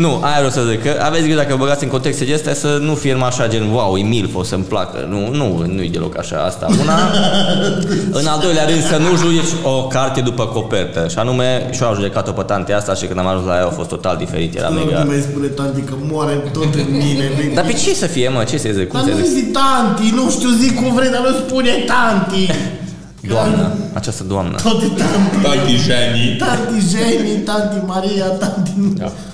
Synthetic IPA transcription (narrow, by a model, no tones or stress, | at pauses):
nuʔajavɾewsəzikkəʔavesʲɡid̪akəvəbəɡat̪sʲiɨŋkont̪ekst̪ed̪eest̪jasənufienmaʃad͡ʒenwawimilfosəmpla̰kə̰nununujed̪elo̞̰ka̰ʃa̰a̰st̪a̰una | ɨnald̪o̞jleaɾɨnd̪sənuʒud͡ʒet͡ʃʲokart̪e̞d̪upəko̞pert̪əʃianume̞ʃoaʒud̪e̞kat̪opət̪ant̪east̪aʃikɨnd̪amaʒũnslajawfo̞st̪ːot̪ald̪ifeɾit̪jḛla̰mḛiamajspunet̪ant̪ikəmwɔɾet̪ot̪eminevid̪apet͡ʃisəfiemət͡ʃesəeɡzekuanḛzizit̪ant̪inũʃt̪uzikuvɾed̪amespunet̪ant̪i | d̪uamnə̰a̰t͡ʃast̪əd̪uamnə̰t̪ot̪it̪ant̪it̪ant̪iʒɛnit̪ant̪iʒɛnit̪ant̪imaɾiat̪ant̪ia̰